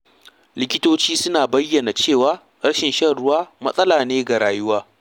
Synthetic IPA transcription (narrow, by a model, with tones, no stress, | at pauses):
lɪ˦kʲɪ˦toː˦t͡ʃiː˦sʊ˦naː˨bɐ˦jːɐ˨na˨t͡ʃeː˦˨waː˦ | ɾɐ˦ʃɪ˨nʃɐ˦ɽʊ˦waː˦mɐ˦sʼɐ˦laː˨neː˦ɡa˨ɽaː˨jʊ˦waː˦